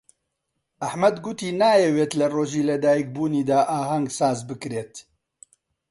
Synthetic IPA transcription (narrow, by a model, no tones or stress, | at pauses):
ʔɐħmɐd̪ɡut̪iːnaːjɛweːt̪lɐroːʒiːlɐd̪aːjik̚buːniːd̪aːʔaːɦɐŋɡsaːzbɨkɾeːt̪